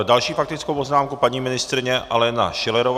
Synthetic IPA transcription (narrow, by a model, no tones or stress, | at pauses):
ɾodalʃiːfak̚t̪ɪt͡skowpo̞znaːmkupaɲiːmɪnɪst̪ɾɪɲɛʔalɛna̰ʃɪlɛɾov